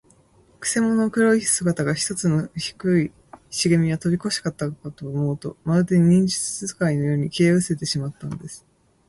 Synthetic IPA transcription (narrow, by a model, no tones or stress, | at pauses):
kɯ̟̥se̞mo̞no̞kɯ̟ɾo̞isɨɡat̪aɡaçi̥t̪o̞t͡sɨno̞çi̥kɯi | ɕiɡemʲiβat̪o̞bʲiko̞ɕi̥kat̪ːakat̪oːmo̞ːt̪o̞̰maɯt̪eɲɲĩɲ̟d͡ʑi̥t͡sɨ̥sɨzɨkaino̞jo̞ːɲ̟ikʲeɯ̟se̞t̪e̞ɕimat̪ːanod̪e̞sɨ̥